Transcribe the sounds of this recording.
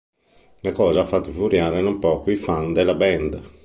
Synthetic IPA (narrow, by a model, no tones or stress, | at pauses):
nakɔːzafːat̪ːuvivuɾjaːɾɛnɔmpɔːkuifand̪ɛlːabɛnd̪